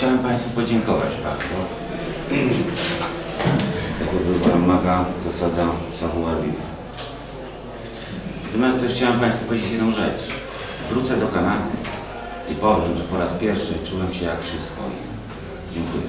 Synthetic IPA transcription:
t͡ɕawɛmpaj̃st̪fupɔd͡ʑɛŋkɔva̰d͡ʑba̰ɾd̪zɔ | jakɔbɘwt̪amːaɡazasad̪asavuavʲḭna̰ | nat̪ɔmʲjast̪ɛʂxt͡ɕawɛmpaj̃st̪fupɔvjed͡ʑet͡ɕjɛd̪nɔ̃w̃ʐɛ̰t͡ʂ | vɾut̪sɛd̪ɔkananṵ | ipɔvʐɛmʐɛpɔɾaspʲjɛɾfʂɘt͡ʂuwɛmɕɛjakfʂɘst̪̚kɔ̰ | d͡ʑɛŋkujɛ

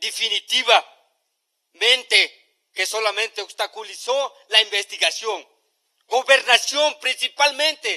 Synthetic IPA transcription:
d̪efinit̪iβa | mẽnt̪e | kesolamẽnt̪eost̪akuliso | laimbest̪iɣasjoŋ | ɡoβeɾnasjompɾĩnsipalmẽnt̪e

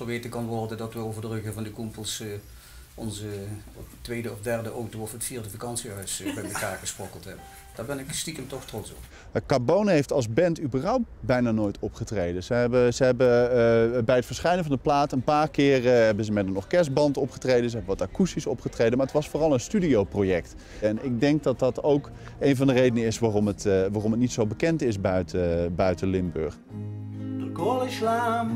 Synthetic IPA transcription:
probeːtəkɑnʋɔrdəndɑtʋəowvərdərɵɣəvɑndəkumpəlˠs | ɔnzə | tʋejdəɔfdɛrdəʔowtowɔfətfiːɹrdəvakɑnsiɦœɥsbɛjməkaːɹɣəsprɔkəlˠtɦɛbə | d̥aːɹbɛnɪkstikəmtɔxtrɔtsɔp | akabownɦejftɑlˠzbɛntybərɦʌwpt̚bɛjnaːnoːjtʰɔpχətrejdənzəɦɛbəzəɦɛbə | bɛjətfəɹsχɛjnənvɑndəplaːtənpaːrkɪːrɦɛbənzəmɛtənɔχkɛɹsbɑntɔpχə̥trejdənzəɦɛbənʋɑtakustisɔpχətrejdənmaɹətʋɑsfoːrɑlˠənstydiowprojɛkt | ɛnɪɡ̚dɛŋk̚dɑt̚dɑtowk | ejnvɑndərejdənəɪsʋaːrɔmətʋaːrɔmət̚nitsowbəkɛntɪsbœɥtbœɥtəlɪmbø̰ɹχ | əɡolɪʃlam

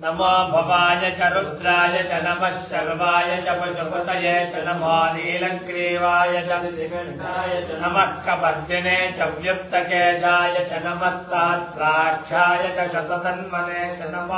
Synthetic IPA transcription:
nɐmoːbʱɐʋaːjɐt͡ʃɐɾud̪ɾaːjɐt͡ʃɐnɐmɐʃjɐɾʋaːjɐt͡ʃɐpɐʃɐt̪ɐt̪ɐjeːt͡ʃɐnɐmɔːniːlɐŋkɾiːʋaːjɐt͡ʃɐɐ | aːjɐɐnɐmɐkːɐbɐd̪ːineːt͡ʃɐʋjup̚t̪ɐkeːʃaːjɐt͡ʃɐnɐmɐsːɐɦɐsɾaːkʂʰaːjɐt͡ʃɐʃɐt̪ɐt̪ɐnmɐneːt͡ʃɐnɐm

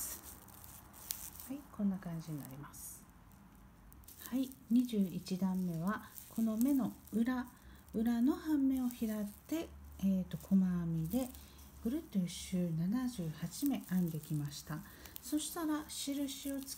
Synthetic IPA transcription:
haikõ̞nːakãɲ̟d͡ʑiɲ̟ina̰ɾʲimasɨ̥ | haiɲ̟iʑɨːit͡ɕid̪ãmːe̞β̞a | kʰo̞no̞me̞no̞ɯ̟ɾa | ɯ̟ɾano̞hãmːe̞o̞çiɾat̪ːe̞ːt̪ːo̞kʰomamʲid̪e̞ | b̥ɯ̟ɾɯ̟t̪ɯ̟ɕɨːnanaʑɨːhat͡ɕime̞ʔãnd̪e̞kʲimaɕi̥t̪a | so̞ɕi̥t̪aɾaɕiɾɯ̟ɕio̞t͡sɨ̥

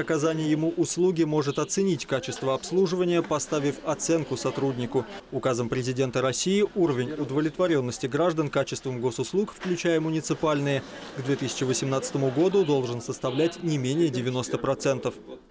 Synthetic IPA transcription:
ɐkɐzanʲɪjjɪmuʔʊslˠuɡʲɪmo̞ʐɨt̪ɐt̪sɨnʲitʲkat͡ɕɪst̪vəɐpslˠuʐɨvənʲɪjəpɐst̪avʲɪfɐt̪sɛnkʊsɐt̪ɾudʲnʲɪkʊʊkazəmpɾʲɪzʲɪdʲe̞nt̪əɾɐsʲijɪʔuɾəvʲɪnʲʊd̪əvlʲɪt̪vɐɾʲo̞nːəsʲtʲɪɡɾaʐd̪ənkat͡ɕɪst̪vəmɡo̞sʊslˠukfklʲʉt͡ɕæjəmʊnʲɪt̪sɨpalʲnɨjə | ɡd̪vʲet̪ɨsʲɪ̥t͡ɕɪvəsʲɪmnat̪sə̥t̪əmʊɡo̞d̪ʊd̪o̞lˠʐɨnsəst̪ɐvlʲætʲnʲɪmʲenʲɪjədʲɪvʲɪno̞st̪əpɾɐt̪sɛnt̪əf

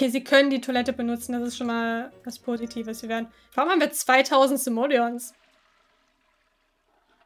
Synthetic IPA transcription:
ʔokʰeːziːkʰœnəndiːtʰolɛtəbənʊt͡sn̩dasɪstʃoːnmaːlvaspʰoːzitʰiːvəsv̥iːveːɐdn̩ | v̥aʁʊmhaːm̩viːɐt͡sv̥aɪtʰaʊzn̩tz̥ɪmoːljɔns

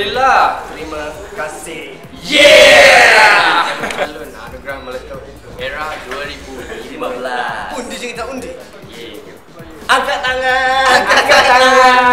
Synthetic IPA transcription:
ilaht̪ɾimakasɪh | jɛ | lʊna̰noɡɾamːələt̪əit̪ueɾahduuaɾibulimabəlasundid͡ʒəŋkit̪aundɪ | jɛ | aɡaʔt̪aŋaaɡakat̪aŋa

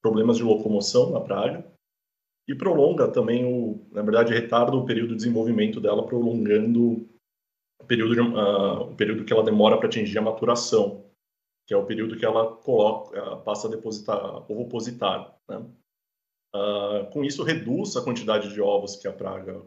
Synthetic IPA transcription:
pɾoblẽmɐzd͡ʒɪlokomosɐ̃w̃nɐpɾaɡɐ | ɪpɾolõŋɡɐt̪ɐ̃mbẽj̃ʊnɐveɾd̪ad͡ʒɪhet̪aɾd̪ɐʊpeɾiwd̪ʊd͡ʒɪzẽvowvimẽnt̪ʊd̪ɛlɐpɾolõŋɡɐ̃nd̪ʊ | ʊpeɾiuwd̪ʊd͡ʒɪaʊpeɾiwd̪ʊkɪɛlɐd̪emɔɾɐpɾɐat͡ʃĩʒiɾɐmat̪uɾasɐ̃w̃ | kɪɛʊpeɾiwd̪ʊkɪɛlɐkolɔkɛpasɐd̪epozit̪aɾoopozit̪aɾnɛ | akõisʊɦed̪uzɐkwɐ̃nt͡ʃid̪ad͡ʒɪd͡ʒɪɔvɾʊskɪɐpɾa̰ɡɐ

